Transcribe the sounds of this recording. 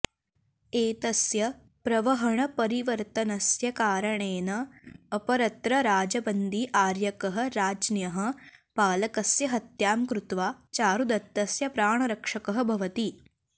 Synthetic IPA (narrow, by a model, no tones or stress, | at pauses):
eːt̪ɐsjɐ | pɾɐʋɐɦɐɳɐpɐɾiʋɐɾt̪ɐnɐsjɐkaːɾɐɳeːnɐːpɐɾɐt̪ɾɐɾaːd͡ʒɐbɐnd̪iʔaːɾjɐkɐɦɐ̆ɾaːd͡ʒnjɐɦɐ̆paːlɐkɐsjɐɦɐt̪jaːmkɾut̪ʋaːt͡ʃaːɾud̪ɐt̪ːɐsjɐpɾaːɳ̃ɐɾɐkʂɐkɐɦɐ̆bʱɐʋɐt̪i